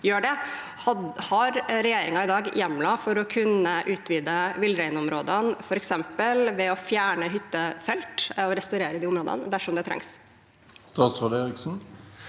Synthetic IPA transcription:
jøːɖɛ | hɑɾɾɛjeːɾɪŋɑɪd̪ɑːɡjɛmlɑfɔɾɔkʰʉnːəʔʉːt̪ʋiːd̪əʋɪlːɾæɪnɔmɾoːd̪ənfɔɾɛksɛmpəlʋɛɔfjæːɳəɦʏt̪ːəfɛlt̪ɔɾɛst̪ɑʉɾeːɾəd̪iːʊmɾoːd̪ə̰nəd̪æʂɔmd̪ɛt̪ʰɾɛ̰ŋs | st̪ɑːt̪sʁɑːd̪eːɾɪksn̩

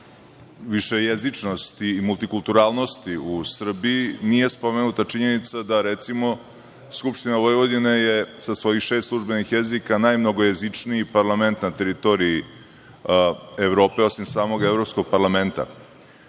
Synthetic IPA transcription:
ʋiʃe̞jezit͡ʂno̞st̪iːmulˠt̪ikulˠt̪uɾaːlˠno̞st̪iusr̩biinije̞spo̞menut̪at͡ʂiɲe̞nit̪sad̪aɾet̪simo̞ | skupʃt̪inaʋo̞jʋo̞d̪inejesasʋo̞jixʃeːst̪slˠuʒbe̞nixjezikanaːjmno̞ɡojezit͡ʂniipaɾlˠame̞nt̪nat̪eɾit̪o̞ɾii | eʋɾo̞ːpe̞o̞simsaːmo̞ɡevɾo̞psko̞ɡ̚paɾlˠame̞nt̪a̰

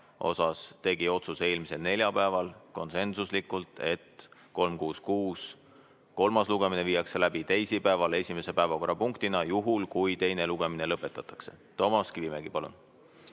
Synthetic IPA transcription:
ʔo̞̰sɑst̪e̞ɡ̥io̞t̪suse̞ːlmise̞lne̞lʲjɑpæevɑlko̞nse̞nsuslikːˑult̪ˑe̞t̪ko̞lmkuːskuːs | ko̞lmɑsluɡ̥e̞mine̞viːjɑkse̞læb̥it̪ejsipæevɑle̞sʲime̞se̞pæe̞vɑko̞rːɑpuŋkt̪inɑjuɦulkujt̪e̞jne̞luɡ̥e̞mine̞lɤpːˑe̞t̪ːˑɑt̪ːˑɑkse̞̥̰t̪o̞mɑskivimeɡ̥ipɑlṵn

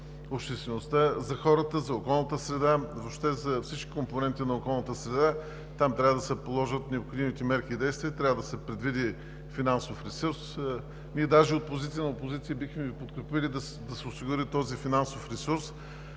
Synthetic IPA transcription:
opʃt̪ɛst̪vɛnost̪azɐxɔɾət̪əzɐokɔlˠnət̪əsɾɛd̪avopʃt̪ɛzɐfsit͡ʃkʲi̥komponɛnt̪inɐokɔlˠnət̪əsɾɛd̪a | t̪amt̪ɾʲavəd̪ɐsɛpolˠɔʒət̪nɛopxod̪imit̪ɛmɛɾkiːd̪ɛjst̪viət̪ɾʲavəd̪ɐsɛpɾɛd̪vid̪i | finansofɾɛsuɾs | niɛd̪aʒɛot̪̚pozit̪sijənɐopozit̪sijəbixmɛvipot̪kɾɛpilid̪ɐ | d̪ɐsɛʊsiɡʊɾit̪ɔzifinansofɾɛsuɾs

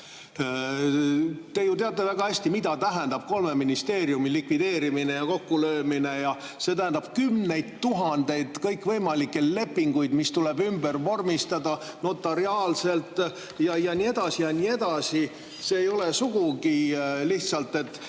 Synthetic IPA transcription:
t̪e̞jut̪eɑt̪ːˑe̞væɡ̥ɑæsʲt̪imid̪ɑt̪æɦænd̪̥ɑb̥̚ko̞lme̞minist̪e̞ːɾjumilikvid̪e̞ːɾimine̞jɑko̞kːulø̞ːmine̞jɑ | se̞t̪æhænd̪ɑb̥kymne̞jd̪̥t̪uɦɑnd̪̥e̞jd̪̥kɤjkːˑvɤjmɑlikːˑele̞pːiŋɡujd̪mist̪ule̞bymb̥ərvo̞rmist̪ɑd̪̥ɑ | no̞t̪ːˑɑɾiɑːlse̞lt̪ˑ | jɑjɑnʲie̞d̪̥ɑsijɑniːe̞d̪̥ɑsi | se̞ːjo̞le̞suɡuɡiliht̪sɑlt̪ːˑe̞t̪ˑː

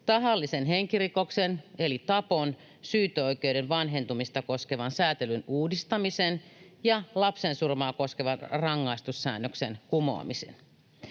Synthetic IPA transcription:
t̪ɑɦɑlːisenɦeŋkirikoksenelit̪ɑpon | syːt̪øoik̟euwɾenʋɑnɦe̞nt̪umist̪ɑko̞ske̞ʋɑnsæːt̪elynuːdist̪ɑmisenjɑlɑpsensurmɑːko̞skeʋɑnrɑŋːɑist̪usːæ̰ːnːøksenkumo̞̰ɑ̰misḛn

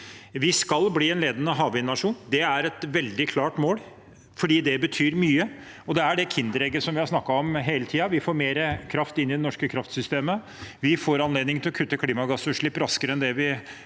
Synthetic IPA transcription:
ʋɪskɑlbliːɛnleːd̪ənəɦɑːʋɪnɑʂuːnd̪ɛæɾɛt̪ʋɛld̪ɪkʰlɑːʈmoːl | fɔɖiːd̪ɛbət̪ʰyːɾmyːə | ɔd̪ɛæɖɛkʰɪnd̪əɾɛɡəsɔmʋɪhɑɾʂsnɑkːɑɔmɦeːlət̪ʰiːɑʋɪfoːɾmeːɾəkʰɾɑft̪ɪnːɪd̪ɛnɔʂkəkʰɾɑft̪sʏst̪eːmə | ʋɪfoːɾɑnleːd̪nɪŋt̪ʰɪlɔkʰʉt̪ːəkʰliːmɑɡɑsʉːʂɭɪpːɾɑskəɾəɛnd̪ɛʋɪ

